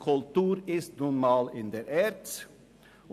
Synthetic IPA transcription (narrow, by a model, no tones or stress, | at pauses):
kʰʉlt̪ʉːɾɪst̪nunmɑːlɪnd̪ɛɾɛːɾt̪